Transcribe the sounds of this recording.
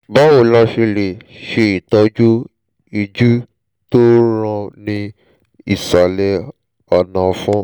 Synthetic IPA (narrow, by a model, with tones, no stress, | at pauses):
ba˦wo˨la˧ʃe˧le˨ʃe˧i˨tɔ˧d͡ʒu˦ | i˧d͡ʒu˦ | to˦ɾã˧nĩ˧ | i˦˨sa˨lɛ˧ | ɔ˨nã˧fũ˦